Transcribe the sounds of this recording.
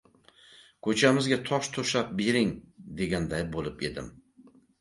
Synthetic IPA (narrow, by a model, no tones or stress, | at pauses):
kʰɵt͡ʃʰamɪzɡʲat̪ʰɒʃt̪ʰoʃap̚be̞ɾɪŋd̪e̞ɡʲand̪ajbolɪpe̞̰d̪ɪ̰m